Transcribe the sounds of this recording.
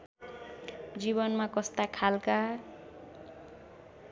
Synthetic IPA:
d͡ziβʌnmakʌst̪akʰalka

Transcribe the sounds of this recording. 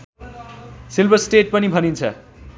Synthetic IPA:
silbʱʌsʈeʈ̚pʌnibʱʌnint͡sʰʌ̰

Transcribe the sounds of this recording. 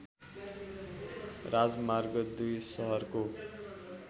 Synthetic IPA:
rad͡zmarɡʌd̪ujsʌɦʌrko

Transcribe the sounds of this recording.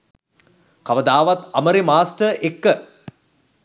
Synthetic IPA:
kɐʋəd̪aːʋɐt̪ɐməɾimaːsʈəʔekːə

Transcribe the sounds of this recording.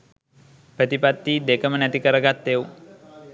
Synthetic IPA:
pɾət̪ipat̪ːiːd̪ekəmənæt̪ikəɾəɡat̪ːeu

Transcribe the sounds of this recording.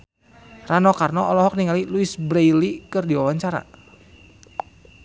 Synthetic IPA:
ranɔkarnɔɔlɔɦɔk̚niŋaliluisbɾejlikɨrdiwawaɲt͡ʃaɾa̰

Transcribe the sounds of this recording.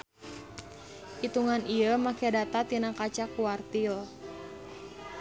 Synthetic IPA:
ʔit̪uŋaniəmakɛdat̪at̪inakat͡ʃakuart̪il

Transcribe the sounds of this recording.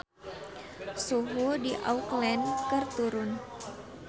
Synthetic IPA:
suɦudiʔa̰uklɛnkərt̪uɾʊn

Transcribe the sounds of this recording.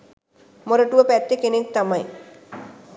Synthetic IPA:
moɾoʈuʋəpɛt̪ːekenek̚t̪amaj

